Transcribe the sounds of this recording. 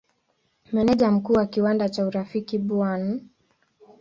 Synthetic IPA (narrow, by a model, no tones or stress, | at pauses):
mɛnɛʄam̩kuːwakiwandat͡ʃauɾafikiɓuan̩